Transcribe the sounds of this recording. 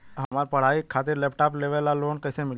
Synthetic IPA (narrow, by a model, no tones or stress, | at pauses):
ɦɐmaːɾpɐɽ̤aːikʰaːt̪̬ɪɾleːpʰʈaːpleːʋelaloːnkɐːsemɪl